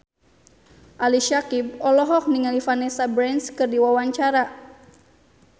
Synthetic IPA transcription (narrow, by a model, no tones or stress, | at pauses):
ʔaliʃakib̚ɔlɔɦɔk̚niŋalifanɛsabɾɛnskɨrdiwawaɲt͡ʃaɾa